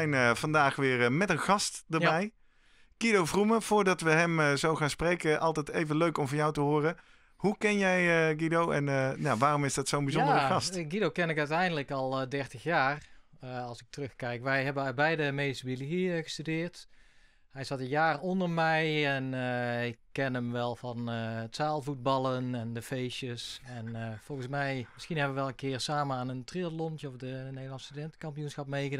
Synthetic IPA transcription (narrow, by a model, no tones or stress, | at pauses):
jnəv̥ɑndaːxʋɪːrmɛtənxɑstdərbɛj | ɡ̥idowvruməv̥ʊːrdɑtʋəɦɛmzowχaːnsprejkəʔɑlˠtɛtejvənløɥkɔmvɑnjawtəɦoːrə | hukɛnjɛjəɡidowɛ̰nəjaʋaːrɔmɪzdɑtsownbizɔndərəxɑsɡidokɛnɪkœɥtɛjndələkɔlˠdɛrtəxjaːrɑlˠsɪk̚trɵxkɛjkʋɛjɦɛbənœt̚bɛjdəmejistəbilitiəɣə̥stydɪːrt | hɛjsɑtənjaːrɔndərmɛjɛnəɪkːɛnəmʋɛlˠvɑntsaːlˠvut̚bɑlˠənɛndəfeʃəsɛnvɔlˠɣənsmɛjmɪsxinɦɛbəʋəʋɛlˠənkɪːrsaːmənaːnəntriətlɔntjəɔfdənejdəlˠɑnstydɛntkɑmpijunsxɑp̚mejɣəd